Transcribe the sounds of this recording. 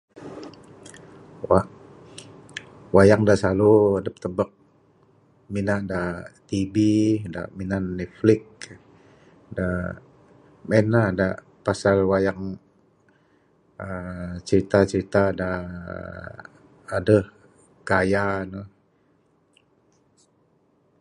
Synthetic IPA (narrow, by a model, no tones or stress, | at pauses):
waʔ | wajaŋdaʔsaluadəpət̪əbək̚ | minaʔdat̪ibida̰ʔminanːɛflɪk̚ | da | mɛnlahda | pasalwajaŋ | ət͡ʃəɾit̪at͡ʃəɾit̪ada | dəh | ɡajanəh